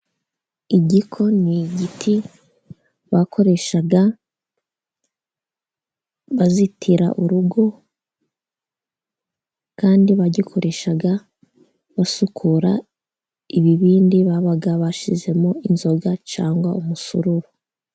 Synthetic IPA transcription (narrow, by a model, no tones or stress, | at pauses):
iɟikʰo̞niɟitʰi | βakʰo̞ɾe̞ʃaɡa | βazitʰiɾa̰ʔuɾuɡo̞ | kaːndiβaɟikʰo̞ɾe̞ʃaɡa | βasukʰuɾa | iβiβiːndiβaβaɡaβaʃize̞moinzo̞ɡat͡ʃaːŋɡwaumusṵɾuɾo